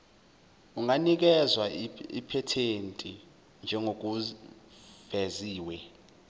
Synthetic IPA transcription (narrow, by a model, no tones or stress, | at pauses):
uŋanik̬ɛzwaḭpʰɛtʰentʼi | nd͡ʒʱɛŋok̬u | v̥ɛziːwɛ